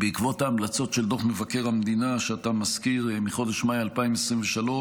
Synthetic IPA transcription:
beikvo̞taːmlat͡so̞tʃe̞ld̪o̞χme̞vake̞ʁhamd̪inaʃeat̪amaskiʁmiχo̞d̪e̞ʃmajalpaimesʁimveʃalo̞

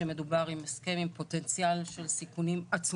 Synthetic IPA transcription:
eme̞dubaʁimeskemimpo̞tent͡sijalʃe̞lsikunimat͡s

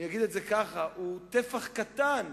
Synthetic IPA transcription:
ijaɡid̪etzekaχaʔut̪efaχkat̪an

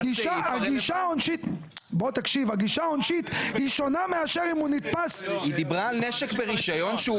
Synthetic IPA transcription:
ɡiʃʃaaɡiʃaonʃit̪bot̪akʃivaɡiʃaonʃit̪hiʃo̞nameaʃeʁimunit̪pasid̪ibʁaːlneʃekbeʁiʃajo̞nʃe

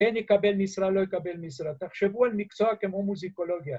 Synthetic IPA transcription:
enikabelmisɾalojkabelmisɾat̪aχʃevualmikt͡soakemomuzikoloɡija

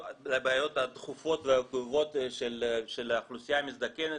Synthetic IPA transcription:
lebeajo̞t̪at̪χufo̞t̪veaɡuvo̞t̪ʃelʃelaχlusijamizd̪akʲenet

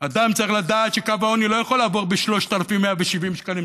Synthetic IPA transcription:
ad̪amt͡saɐʁiχlad̪aːt̪ʃekavao̞nilojaχolaːvoʁbeʃlo̞ʃt̪alafimːeaveʃivimʃkalim

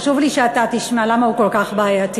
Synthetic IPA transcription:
ʃuvliʃeat̪at̪iʃmalamaukolkaχbaːjat̪i

